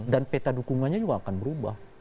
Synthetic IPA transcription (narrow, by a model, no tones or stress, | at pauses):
danpet̪adukuŋanɲad͡ʒuɡaːkanbəɾuba̰h